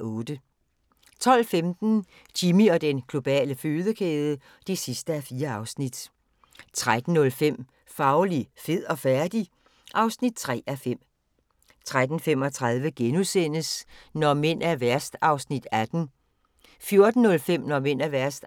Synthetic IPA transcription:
ɔ̽ːd̥ə | t͡sʰɒ̽l̰femd̥n̩ | t͡ɕʰimiɒ̽d̥enɡ̥lo̝b̥ɛ̰ːləføːðˠəkʰeːð̞ˠə | d̥e̝sisd̥əæfiːɐɑ̈ʊsnid̥ | t͡sʰʁad̥n̩ːɔ̽lfem̰ | fɑ̈ʊlife̝ð̰ˠɒ̽fæɐd̥i | ʔɑ̈ʊsnid̥̚t͡sʰʁɛ̰ːæfem̰ | t͡sʰʁad̥n̩fem̰ɒ̽t͡sʰʁað̞ˠʋəɡ̥enusen̰əsnɒmen̰æʋæɐ̰sd̥ɑ̈ʊsnid̥æd̥n̩ | fjo̝ɐd̥n̩ːɔ̽lfem̰nɒmen̰æʋæɐsd̥

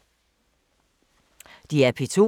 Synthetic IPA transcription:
d̥iæɐpʰit͡sʰo̝̰

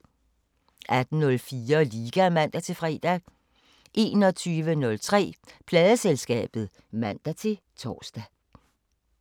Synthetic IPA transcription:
ʔæd̥n̩nɔ̽lfiːɐliːɡ̥æmæn̰d̥æt͡sʰe̝fʁɛ̰ːd̥æ | ʔe̝̰ːnɒ̽t͡sʰyːʋənɔ̽lt͡sʰʁɛ̰ːpʰlɛːð̞ˠəselsɡ̥ɛ̰ːb̥ð̞̩ˠ | mæn̰d̥æt͡sʰe̝ | t͡sʰɒ̰ːsd̥æ

